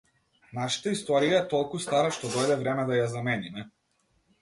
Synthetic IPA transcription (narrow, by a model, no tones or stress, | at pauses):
naʃḁt̪aist̪ɔɾijaɛt̪ɔlˠkust̪aɾaʃt̪ɔd̪ɔjd̪ɛvɾɛmɛd̪ajazamɛnimɛ